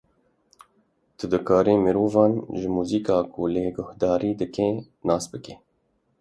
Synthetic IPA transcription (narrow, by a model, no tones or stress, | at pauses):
t̪əd̪əkɑːɾeːmeɾuːvɑːnʒəmuːzikɑːkuleɡʊhd̪ɑːɾiːd̪əkẽː | nɑːsbəkeː